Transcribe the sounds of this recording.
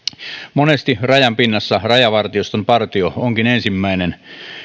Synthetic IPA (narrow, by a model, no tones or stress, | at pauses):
monest̪irɑjɑmpinːɑsːɑrɑjɑʋɑrt̪iost̪empɑrt̪iooŋkinensimːæinen